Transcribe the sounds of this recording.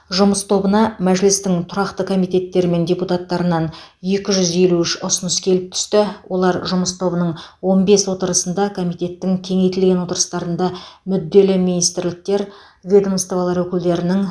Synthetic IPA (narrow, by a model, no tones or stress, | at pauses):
ʒʊməst̪ʰo̞bənɑmæʒɪlɪst̪ɪŋt̪ʰʊɾɑqt̪əkʰo̞mijt̪ʲe̞t̪ːe̞ɾɪme̞nd̪ʲeput̪ɑt̪ːɑɾənɑn | je̞kʲɪʒʏze̞luɪʃʊsənəskʲʰe̞lɪp̚t̪ʰʏ̥st̪ɪwʔo̞lˠɑɾʒʊməst̪ʰo̞bənəɴwo̞nbe̞swo̞t̪əɾəsənd̪ɑkʰo̞mijt̪ʲe̞t̪ːɪŋkʲʰe̞ŋe̞jt̪ɪlɡʲe̞nwo̞t̪əɾəst̪ɑɾənd̪ɑmʏd̪ːe̞lɪminijst̪ɪɾlɪk̚t̪e̞ɾ | vʲe̞d̪omst̪ovɑlˠɑɾwɵkʲɪld̪e̞ɾɪnɪŋ